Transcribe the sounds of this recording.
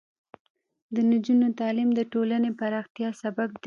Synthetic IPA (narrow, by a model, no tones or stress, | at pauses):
d̪ənɪd͡ʒunot̪ɑlimd̪əʈolanepaɾɑxt̪jɑsabab̚d̪